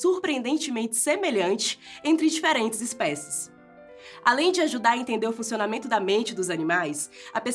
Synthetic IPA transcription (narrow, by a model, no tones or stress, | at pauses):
suɾpɾiẽnd̪ẽnt͡ʃɪmẽnt͡ʃɪ̥semeʎɐ̃nt͡ʃɪ̥ẽnt̪ɾɪd͡ʒifeɾẽnt͡ʃɪzɪspɛsɪ̥s | alẽj̃d͡ʒɪaʒud̪aɾɐẽnt̪ẽnd̪eɾʊfũsionamẽnt̪ʊd̪ɐmẽnt͡ʃɪd̪ʊzɐnĩmajsɐpes